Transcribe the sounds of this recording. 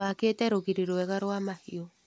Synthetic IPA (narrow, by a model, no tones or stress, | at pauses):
akeːtɛɾoɣiɾiɾoɛɣaɾoamahiɔ